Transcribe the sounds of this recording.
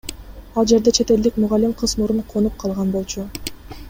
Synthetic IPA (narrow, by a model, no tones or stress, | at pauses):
ɑlˠd͡ʒe̞ɾd̪e̞t͡ʃʰe̞t̪e̞ld̪ikmuʁalʲimqʰɯzmuɾuɴqʰonup̚qʰɑlˠʁɑnbo̞lˠt͡ʃʰu